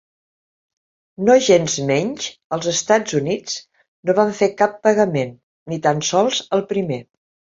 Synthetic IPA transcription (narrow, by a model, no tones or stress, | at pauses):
noʒenzmɛɲʒəlˠzəst̪ad͡zunid͡z | noβaɱfekapːəɣəmenː | it̪ansɔlˠzəlˠpɾime